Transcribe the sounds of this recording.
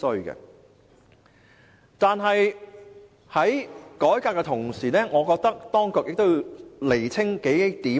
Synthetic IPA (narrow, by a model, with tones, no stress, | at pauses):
sɵ˧ɥkɡɛ̰˧ | t̪aː˧nɦɐ˨j | hɐ˨˥jkɔː˨˥jkaː˧kːɛ˧t̪ʰʊ˨˩ŋsiː˨˩nɛː˥ŋɔː˨˧kɔː˧k̚t̪ɐ˥k̚t̪ɔː˥ŋkʊ˨k̚jɪ˨k̚t̪o˥ji˧wle˨˩jt͡sʰɪ˥ŋke˨˥jt̪iː˨˥